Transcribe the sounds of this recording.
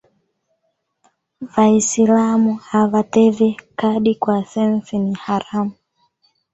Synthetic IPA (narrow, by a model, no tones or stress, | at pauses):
vaisilamuhavatɛvɛkaɗikwasɛnsinihaɾamu